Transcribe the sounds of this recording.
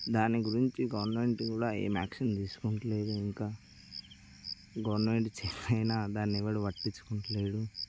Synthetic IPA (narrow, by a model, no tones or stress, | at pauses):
d̪aːniɡuɾiɲt͡ʃiɡɐʋɐɾnmeɳʈkuːɽaːḛːmaːkʂɐnt̪iːsu̥koɳʈɐle̞ːd̪uiŋkaː | ɡɐʋɐɾnmeːɳʈt͡ʃɛtɐjnaːd̪aːnːiɛʋaɽuʋɐʈːiɲt͡ʃu̥koɳʈɐle̞ːd̪u